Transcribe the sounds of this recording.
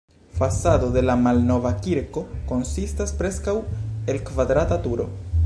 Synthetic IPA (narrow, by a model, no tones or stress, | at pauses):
fasad̪o̞d̪e̞lamalno̞vakiɾko̞ko̞nsistaspɾe̞skawe̞lkvad̪ɾatatuɾo̞̰